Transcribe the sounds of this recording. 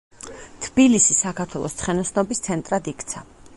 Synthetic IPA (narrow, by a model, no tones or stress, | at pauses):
t̪ʰb̥ilisisakʰaɾt̪ʰwɛlˠɔ̰st̪χɛnɔsnɔbist̪sʰɛnt̪ʼɾad̪ikʰt̪sʰa